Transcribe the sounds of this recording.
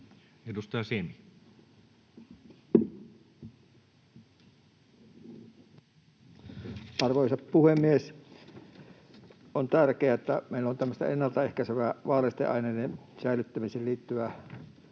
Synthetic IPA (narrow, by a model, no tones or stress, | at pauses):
edust̪ɑjɑsemi | ʔɑrʋoˑisɑppuhemːies | ont̪ærkeæet̪ːæ̰meˑilːont̪æmːəst̪ɑ̰enːɑlt̪ɑehkæseʋæʋɑːlest̪ḛʔɑ̰inenesæˑilyt̪ːæmiseːliːt̪ːyʋæ